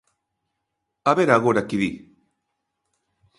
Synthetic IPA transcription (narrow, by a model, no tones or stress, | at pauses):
aβeɾaɣoɾakiði